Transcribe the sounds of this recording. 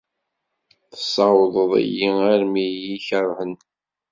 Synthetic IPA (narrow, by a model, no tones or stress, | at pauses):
θə̥sˤːɑwðˤəðˤḭjiaɾmijiçəɾˤhən